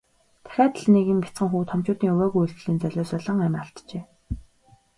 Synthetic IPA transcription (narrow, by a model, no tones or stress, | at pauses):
t̪ʰæ̥xʲæːt̪ə̆ɮneɣĭmpʲi̥t͡sɢə̆ŋxuːt̪ʰɔmt͡ɕʊːt̪iːŋɵwæːɣujɵɮɣɘ̆ɮiːnt͡sœɮʲʊːsœɮɞ̆ŋæmʲaːɬt̪t͡ɕeː